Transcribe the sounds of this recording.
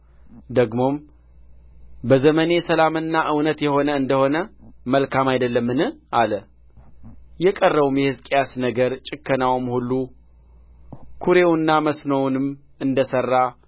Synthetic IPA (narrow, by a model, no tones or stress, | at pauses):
d̪əɡmo̞m | bəzəməne̞səlamɨnːaʔɨwnət̪jɛho̞nəɨnd̪əho̞nəməlkʰamajd̪əlːəmːɨnɨʔalə | jɛkʼərːəβumjɛhɨzkʼejasnəɡəɾt͡ʃʼɪkːənawomhulːu | kʰuɾe̞wnːaməsnownɨm | ɨnd̪əsərːa